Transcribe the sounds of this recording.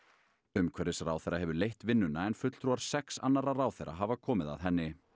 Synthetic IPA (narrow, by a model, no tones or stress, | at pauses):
ʏmkʰvɛɾɪsraːwθejɾaɦɛvʏlejht̪vɪnːʏnːaɛnfʏt̪l̥t̪ʰɾuaɾ̥sɛksa̰nːaɾaraːwθḛjɾʔa̰ɦavakʰɔːmɪða̰ðɦɛnːɪ